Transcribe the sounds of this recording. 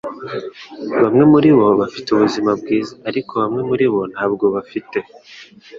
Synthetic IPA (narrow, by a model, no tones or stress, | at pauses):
βamŋe̞muɾiβo̞βafi̥tuβuzimabɡiːzaːɾikʰo̞βamŋe̞muɾiβo̞n̥haːbɡo̞βafite̞